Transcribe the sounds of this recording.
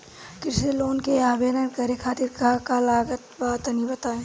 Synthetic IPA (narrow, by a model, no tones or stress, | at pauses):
kɪɾseloːnkeaːbeːɾənkɐɾekʰaːt̪ɪɾkakalaːɡət̪baːt̪ɐnibɐt̪aːẽ